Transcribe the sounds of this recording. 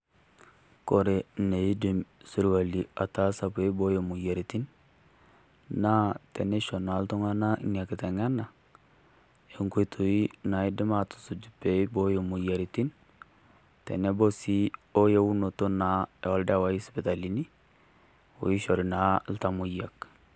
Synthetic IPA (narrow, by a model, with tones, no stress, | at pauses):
ko˨ɾe˨ne˨ji˦di˨msi˦ɾwa˨li˨a˨ta˨˦sa˨pe˦bo˦jo˨mu˨je˨ɾi˨ti˦n | na˦tɛ˨ne˦ʃo˨na˨˦lto˦ŋa˦na̰˦ŋa˨kɪ˨tɛ˨ŋa˦na˨ | e˨ŋku˦jtʰu˨i˦na˨i˦dɪ˦ma˨tu̥˨su˨d͡ʒu˨pe˨˦bo˦jo˨mu˨ja˨ɾi˨ti˦n | tɛ̰˨ne˦bo˦si˦o˦je˦wu˦no˨to˦na˨ɛ˨ɔ˦lda˦˨wa˦ji˦spi˨ta˨li˨˦ni˦ | o̰˨ji˦ʃo˨ɾi˨na˨˦lta˨mu˦ja˨k